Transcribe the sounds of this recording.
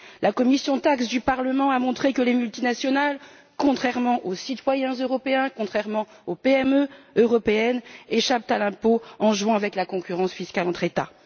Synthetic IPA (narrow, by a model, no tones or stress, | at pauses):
lakɔmisjɔ̃t̪aksd̪ypaʁləmɑ̃amɔ̃t̪χekəlemylt̪inasjɔnal | kɔ̃t̪χɛʁmɑ̃ʔosit̪wajɛ̃zøʁɔpeɛ̃kɔ̃t̪χɛʁmɑ̃opeɛmøøʁɔpeɛneʃap̚t̪alɛ̃poɑ̃ʒwɛ̃avɛklakɔ̃kʲyʁɑ̃sfiskʲalɑ̃t̪χet̪a̰